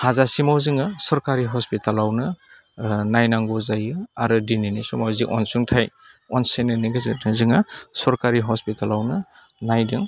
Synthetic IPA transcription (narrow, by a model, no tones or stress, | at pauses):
hazasimawziŋasɔɾkaɾiɦɔspitalawnɐ | najnaŋɡɔzajɯaɾɯdininisumawziŋʔɔ̰nsuŋtʰaj | ɔnsenaniɡɯzetizɯŋasɔɾkaɾiɦɔspitalawnɐ | najdɯŋ